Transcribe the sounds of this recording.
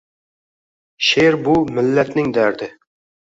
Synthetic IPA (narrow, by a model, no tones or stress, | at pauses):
ʃeɾbumɪlːæt̪nɪŋd̪æɾd̪ɪ